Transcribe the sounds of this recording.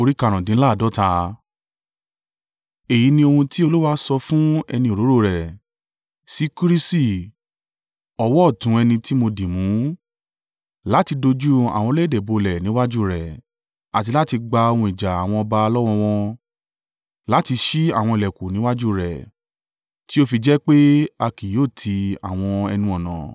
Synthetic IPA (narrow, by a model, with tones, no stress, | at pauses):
o˧ɾi˦ka˦˨ɾ̃ɔ̃˨dĩ˨˦la˦˨dɔ˦ta˧ | e˨ji˨˦nĩ˧o˧hũ˧ti˦o˧lo˦wa˦sɔ˧fũ˦ɛ˧nĩ˧o˨ɾo˨˦ɾo˦˨ɾɛ˨ | si˦ku˦ɾi˦si˦˨ | ɔ˧wɔ˦˨tũ˨˦ɛ˧nĩ˧ti˦mo˧dĩ˨mũ˨˦ | la˦ti˧do˧d͡ʒu˦a̰˨w̃ɔ̃˧le˦˨de˨bo˧˨lɛ˨nĩ˨˦wa˦d͡ʒu˦˨ɾɛ˨ | a˨ti˧la˦ti˧ɡ͡ba˧o˧wũ˧˨i˨d͡ʒa˨a˨w̃ɔ̃˧ɔ˧ba˧lɔ˦w̃ɔ̃˧w̃ɔ̃˧ | la˨˦ti˧ʃi˦a˦˨w̃ɔ̃˧i˨lɛ˨ku˨nĩ˨˦wa˦d͡ʒu˦˨ɾɛ˨ | ti˦o˦fi˧d͡ʒɛ˦k͡pe˦a˧ki˨joː˦˨tʰi˧a̰˨w̃ɔ̃˧ɛ˧nũ˦ɔ̃˦˨nã̰˨